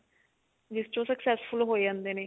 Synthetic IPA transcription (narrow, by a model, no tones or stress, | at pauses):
d͡ʒɪst͡ʃõːsəksɛːspʰʊlɦoːid͡ʒãːnd̪eːneː